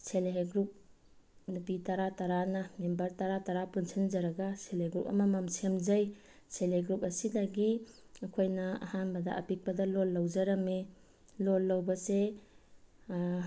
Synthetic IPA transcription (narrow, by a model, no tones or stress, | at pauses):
selɦeɡɾup̚ | nupitaɾataɾanɐmembɐɾtaɾataɾapunsʰinzɐɾɐɡaseleɡɾup̚ɐ̰mamamsemzaj | sʰeleɡɾupɐsidaɡiː | kʰojnɐa̰hanbɐdaʔa̰pik̚pɐdalolːawd͡ʒaɾɐme | lolːawbɐse